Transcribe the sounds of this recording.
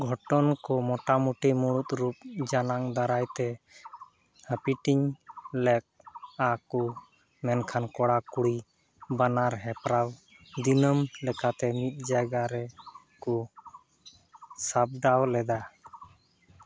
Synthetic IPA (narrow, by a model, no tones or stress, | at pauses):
ɡʱɔʈɔnkɔmɔʈamuʈimuɽut̪̚ɾup̚d͡ʒanaŋd̪aɾajt̪ɛ | həpiʈiɲlɛk̚aku | mɛnkʰankɔɽakuɽi | banaɾɦɛpɾaw | d̪inəmlɛkat̪ɛmit̪̚ˀd͡ʒaɡaɾɛ | kɔ | sap̚ɖawlɛd̪a